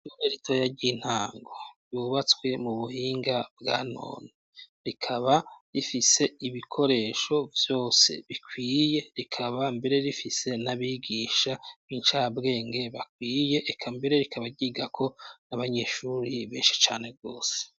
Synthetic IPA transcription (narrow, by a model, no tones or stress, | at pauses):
uneɾitʰojaɾɟin̥haːŋɡoɾjuːβat͡swe̞muβuhiːŋɡabɡa̰ːno̰ːne | ɾikʰaβaɾifise̞iβikʰo̞ɾe̞ʃo̞vjo̞ːse̞̰βikʰwiːje̞ɾikʰaβambe̞ɾe̞ɾifise̞naβiːɡiːʃaint͡ʃabɡe̞ːŋɡe̞βak̚wiːje̞ʔːkʰambe̞ɾe̞ɾikʰaβaɾɟiːɡakʰo̞naβaɲe̞ːʃuɾiβeːnʃi̥t͡ʃa̰ːne̞b̚ɡo̞ːse̥